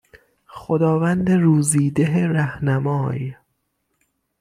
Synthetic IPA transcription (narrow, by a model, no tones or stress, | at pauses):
xod̪ɒːvænd̪eɾuːziːd̪eɦeɾæhnæmɒːj